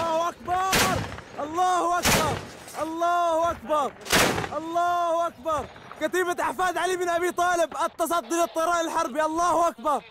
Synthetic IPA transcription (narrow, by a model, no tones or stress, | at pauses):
ɑːhʔakbɑɾˤʔɑlˤːɑːhʊʔakbɑɾˤ | ʔɑlˤːɑːhʔakbɑɾˤʔɑlˤːɑːhʔakbɑɾˤ | kat̪iːbat̪ʔaħfaːd̪ʕaliːbɪnʔabiːt̪ˤɑːlɪbʔɑt̪ːɑs̬ˤɑd̪ːilɨt̪ˤːɨɾˤɑːʔɪlħɑɾˤbiʔɑlˤːɑːhʊʔakbɑɾˤ